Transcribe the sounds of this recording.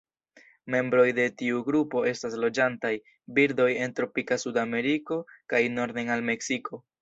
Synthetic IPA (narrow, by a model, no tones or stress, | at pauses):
me̞mbɾo̞jde̞tiuɡɾupo̞e̞staslo̞d͡ʒantaj | biɾdo̞je̞ntɾo̞pikasudame̞ɾiko̞kajno̞ɾdeŋalme̞ksiko̞